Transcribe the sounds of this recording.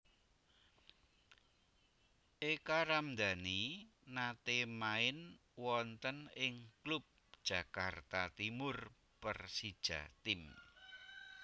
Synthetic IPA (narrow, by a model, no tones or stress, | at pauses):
ʔekaɾamd̪äninat̪emaɪn | wɔnt̪ənɪŋklup̚d̥ʒ̥ä̤kart̪at̪imʊr | pərsid̥ʒ̥a̰t̪ɪm